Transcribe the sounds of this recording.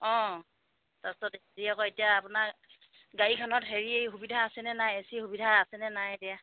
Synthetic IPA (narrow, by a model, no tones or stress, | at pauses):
ɔ̃ | tastɔtheɹiakɔetijaːpʊna | ɡaɹikʰɔnɔtɦeɹieɦubidʱaːsɛnɛnajesihubidʱaasɛnɛnajdija